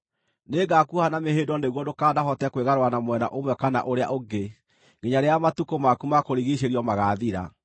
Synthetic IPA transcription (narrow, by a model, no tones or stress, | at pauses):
neːɡakuhanameɦeːndɔneɣwɔdokaːdaɦɔtɛkweɣaɾowanamwɛna̰ʔomwɛkana̰ʔoɾea̰ʔoɡe | ɡeɲaɾeamatukomakumakoɾiɣiʃ̬eɾiɔmaɣaːðiɾa̰